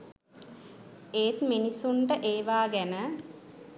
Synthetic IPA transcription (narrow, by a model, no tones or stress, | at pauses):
eːt̪minisuɳʈəʔeːʋaːɡænə